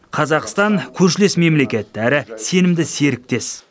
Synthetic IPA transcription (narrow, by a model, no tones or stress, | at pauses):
qʰɑzɑqst̪ɑŋkʲʰɵɾʃ̬ɪle̞sme̞mle̞kʲe̞t̪ːɪæɾɪse̞nɪmd̪ɪse̞ɾɪk̚t̪e̞s